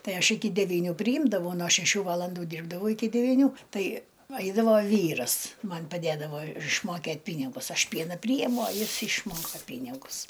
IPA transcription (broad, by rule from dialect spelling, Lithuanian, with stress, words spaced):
ˈtɐɪ ˈɐʃ ˈɪkʲɪ dʲɛˈʋʲiːnʲʊ pʲrʲɪˈjɪmdɐʋɐʊ noː ʃʲɛˈʃʲuː ˈʋɑːlˠɐnduː ˈdʲiːrbdɐʋɐʊ ɪˈkʲɪ dʲɛʋʲiːˈnʲuː ˈtɐɪ ˈɐɪdɐʋoː ˈʋʲiːrɐs ˈmɐnʲ pɐˈdʲeːdɐʋoː ɪʃmoːˈkʲeːtʲ ˈpʲiːnʲɪɡʊs ˈɐʃ ˈpʲiɛnɐ ˈpʲrʲiːjɛmʊ oː ˈjɪs ɪʃˈmoːkɐ ˈpʲiːnʲɪɡʊs